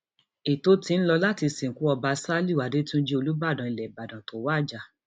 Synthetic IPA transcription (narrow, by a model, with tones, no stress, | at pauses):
i˨to˦ti˧n̩˦lɔ˧la˦ti˧sĩ˨ŋ̩˨ku˨˦ɔ˧ba˧sa˦li˦˨wa˨de˦tũ˦d͡ʒi˦o˧lu˦ba˦˨dã˨i˨lɛ˨ba˨dã˨to˨˦waː˦˨d͡ʒa˧˨